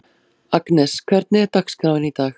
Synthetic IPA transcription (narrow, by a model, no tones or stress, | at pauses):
aknɛskʰvɛɾt̪̚nɪɛɾt̪akskɾaːwvɪnit̪aːx